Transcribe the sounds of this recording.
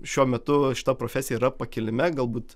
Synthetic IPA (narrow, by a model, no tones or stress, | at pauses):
ʃʲuɔmʲɛt̪ʊʃʲɪ̥t̪ɐpɾoːfʲæsʲɪjɛiːɾɐpɐkʲɪlʲɪmʲɛɡɐlˠbuːt̪